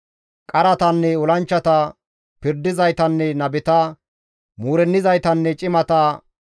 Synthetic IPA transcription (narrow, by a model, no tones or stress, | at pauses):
kʼɐɾɐt̪ɐnːɛɔlɐnt͡ʃːɐt̪ɐ | pɪɾd̪ɪzɐjt̪ɐnːɛnɐbɛt̪ɐ | muːɾɛnːɪzɐjt̪ɐnːɛt͡ʃʼɪmɐt̪ɐ